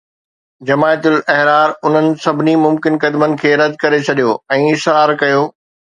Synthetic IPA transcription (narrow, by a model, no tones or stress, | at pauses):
d͡ʑɐmaːjt̪ʊlɛɦɾaːɾʊn̤ənɪ̆sɐbʱɪnimʊmkɪnkɐd̪mənɪ̆kʰeːɾɐd̪kɐɾet͡ɕʰɐɗijoɛ̃ːɪsɾaːɾkɐjoː